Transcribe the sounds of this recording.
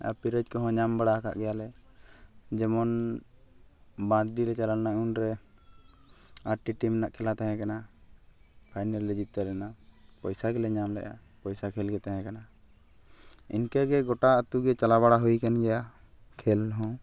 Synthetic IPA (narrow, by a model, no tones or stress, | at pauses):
a̰piɾəd͡ʒkɔɦɔ̃ɲambaɽaka̰ʔɡɛjalɛ | d͡ʒɛmɔn | bãd̪ɾiɾɛt͡ʃalalnaunɾɛ | aɾʈiʈimnaʔkʰɛlat̪aɦɛ̃kana | pʰajnɛlːɛd͡ʒit̪ːaɾɛnapɔjsakɛlɛɲamlɛ̰ʔa | pɔjsakʰɛlɡɛt̪aɦɛ̃kana | ḭnkɛɡɛɡɔʈaət̪uɡɛt͡ʃalabaɽaɦujkɛnɡɛja | kʰɛlɦɔ̃